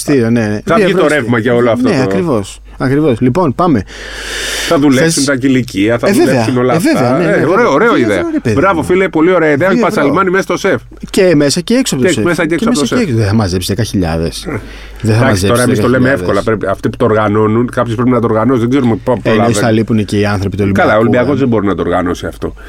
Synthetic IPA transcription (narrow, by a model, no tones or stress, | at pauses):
st̪iɾioneeɐit̪oɾevmɐceoloɐft̪oeɐkɾivo̞s | ɐkɾivo̞slipo̞npɐme̞ | θɐðulesunt̪ɐciliciɐθɐeðelveɐsunolɐveveɐneeoɾeoɾeoiðeɐɾeðbɾɐvofilepo̞lio̞ɾeɐiðeɐoçpɐsselmɐnimesɐst̪osef | ceme̞sɐceeksoɐpotsemesɐeemsɐesosoɐseeksoðeθɐmɐze̞psiðekɐçiʎɐ̰ðes | ðeθɐmaɐszep̪tosɾɐemit̪olemeefko̞lɐpɾepiɐft̪iput̪ooɾɣɐno̞nunkɐpçespɾepinɐt̪oɾɣɐnosizðeɡzeɾumeppoelɐesɐlipunece̞iɐnθɾo̞pit̪olikɐlaolimbiɐko̞zðebo̞ɾinɐt̪oɾɣɐno̞siɐft̪o̞̰